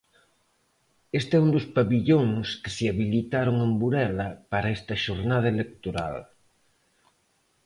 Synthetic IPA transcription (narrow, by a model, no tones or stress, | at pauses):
est̪ɛund̪ʊspaβiʎoŋskesɪaβilit̪aɾʊŋembuɾɛlɐpaɾɐest̪ɐʃoɾnað̞ɐelek̚t̪oɾa̰l